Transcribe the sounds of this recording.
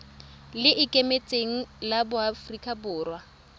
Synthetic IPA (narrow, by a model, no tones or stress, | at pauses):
lɪʔɪkʼemet͡sʼeŋ̩labʊafrikʼabʊːrwa